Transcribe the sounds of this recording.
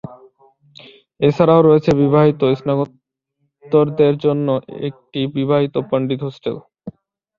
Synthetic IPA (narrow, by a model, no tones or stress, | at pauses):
et͡ɕʰaɾaoɾɔet͡ɕʰebibʱaɦit̪oisnaɡot̪ː | oɾd̪eɾd͡ʑonːoʔḛk̚ʈibibʱaɦit̪opaɳɖit̪ɦosʈel